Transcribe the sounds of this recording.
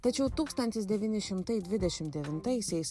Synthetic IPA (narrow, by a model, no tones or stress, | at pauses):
t̪ɐt͡ʃʲɛʊt̪uːkst̪ɐnʲt̪ʲɪsd̪ʲɛʋʲiːnʲɪʃʲɪmt̪ɐjd̪ʲʋʲɪd̪ʲɛʃʲɪmt̪̚d̪ʲɛʋʲɪnt̪ɐjsʲɛjs